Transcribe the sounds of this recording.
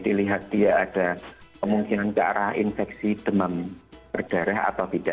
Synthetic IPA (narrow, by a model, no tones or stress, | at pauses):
diliɦat̪̚diaʔːd̥akəmuŋkinant͡ʃa̰ʔɾahḭnfɛksid̥əmambərd̥aɾaɦa̰t̪awt̪id̥a